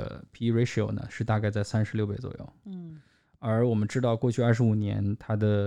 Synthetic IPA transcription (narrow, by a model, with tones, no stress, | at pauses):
pʰi˧˥ɹe˧˥ɪʂi˨o̰˨˩ʊnə̰˨˩ʂɻ̩˥˧t̪a˥˧ka˥˧ɪt͡sa˥˩ɪsa˥nʂɻ̩˧˥ljo˥˧ʊpe˧˩ɪt͡swɔ̰˨˩jo̰˥˩ʊ | ə˞˧˥wɔ˨˩mə˦nʈ͡ʂɻ̩˥t̪ɑ˥˧ʊkwɔ˥˧t͡ɕʰy˥˧ɐ˥˩ʂɻ̩˧˥u˨˩njɛ̰˧˥nt̪ʰa˥d̪ə˨